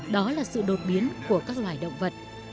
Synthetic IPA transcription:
ɗɔ˨˦laː˨˩sɨ̰˧˨ɗo˨˩t̚ɓi˨˦ənku˧˩əkaː˦˥k̚lwaː˧˨˩jɗə̰˧˨wŋ͡mvə˨˩t̚

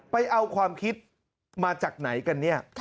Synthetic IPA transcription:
pa˧jʔa˧wkʰwaː˧mkʰi˦˥t̪̚ | maː˧t͡ɕaː˨˩k̚na˩˦jka˧nːi˥˩ɐ

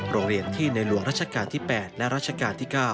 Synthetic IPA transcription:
ɾoː˧ŋɾi˧ənt̪ʰiː˥˩na˧jlu˨˩˦əŋɾa˦˥t̪̚t͡ɕʰa˧kaː˧nt̪ʰiː˥˩pɛː˨˩t̪̚lɛ˦˥ʔɾa˦˥t̪̚t͡ɕʰa˧kaː˧nt̪ʰiː˥˩kaː˥˩w

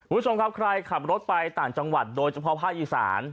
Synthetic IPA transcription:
kʰu˧˩m˦˥t͡ɕo˧mkʰa˦˥p̚kʰɾa˧jkʰa˨˩p̚ɾo˦˥t̪̚pa˧jt̪aː˨˩ŋt͡ɕa˧ŋwa˨˩t̪̚doː˧jt͡ɕʰa˧pʰɔ˦˥pʰaː˥˩k̚ʔiː˨˩sa̰ː˩˦n

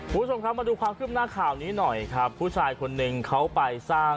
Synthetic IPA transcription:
u˨˩bt͡ɕʰo˧mkʰa˦˥ma˧duː˧kwaː˧mkʰɯː˥˩m̚naː˥˩kʰaː˨˩wniː˦˥nɔ˨˩jkʰɾa˦˥pʰːuː˥˩t͡ɕʰaː˧jkʰo˧nːɯ˧ŋkʰa˦˥wpa˧jsaː˥˩

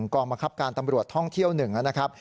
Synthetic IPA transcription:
ŋkɔː˧ŋba˧ŋkʰa˦˥p̚kaː˧nt̪a˧mɾu˨˩ət̪ʰɔ˥˩ŋt̪ʰi˥˩əwnɯ˨˩ŋʔa˧˩na˦˥kʰa˦˥p̚

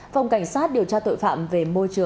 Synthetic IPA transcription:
va˨˩wŋ͡mka˧˩jŋ̟saː˦˥t̚ɗi˨˩əwt͡ɕaː˧t̪o̰˧˨jfa̰ː˧˨mve˨˩mo˧jt͡ɕɨ˨˩ə

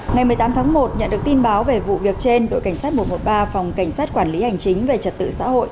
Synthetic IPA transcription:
ŋa˨˩jm˨˩jt̪aː˨˦mt̪ʰaː˨˦ŋmo˨˩t̚ɲə̰˧˨nɗɨ˨˩ək̚t̪i˧nɓaː˨˦wve˨˩vṵ˧˨vi˨˩ək̚t͡ɕe˧nɗo̰˧˨jka˧˩ŋsaː˦˥t̚mo˨˩t̚mo˨˩t̚ɓaː˧fa˨˩wŋ͡mka˧˩jŋ̟saː˦˥t̚kwaː˧˩nli˨˦ha˨˩jŋ̟t͡ɕï˨˦ŋ̟ve˨˩t͡ɕə˨˩t̪ɨ̰˧˨sa̰ː˧˥ho̰˧˨jʔ

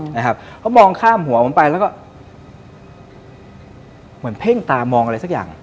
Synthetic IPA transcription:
na˧˩kʰa˦˥p̚pʰɔ˦˥˩mɔː˧ŋkʰaː˥˩mhu˩˦ɐho˨˩˦npa˧jlɛː˦˥wkɔː˥˩ | mɯ˩˦ənpʰe˥˩ŋt̪aː˧mɔː˧ŋa˧ɾa˧jsa˥k̚a̰ː˨˩ŋ

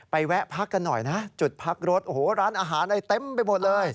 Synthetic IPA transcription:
pa˧jwɛ˦˥ʔpʰa˦˥kːa˧nːɔ˨˩jna˦˥ʔt͡ɕu˨˩t̪̚pʰa˦˥k̚ɾo˦˥t̪̚ʔo˨˩hoː˩˦ɾaː˦˥nʔaː˧ɦaː˩˦nʔa˧jt̪e˧mpa˧jmo˨˩t̪̚lɤː˧j

